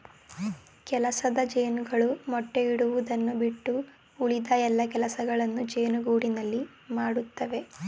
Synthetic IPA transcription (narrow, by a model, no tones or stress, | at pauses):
kɛlɐsɐd̪ɐd͡ʒeːnuɡɐɭumɔʈːeiɽuʋud̪ɐnːubiʈːuː | ɭid̪ɐɛlːɐkɛlɐsɐɡɐɭɐnːud͡ʒe̞ːnuɡuːɽinɐlːi | maːɽut̪ːɐʋe̞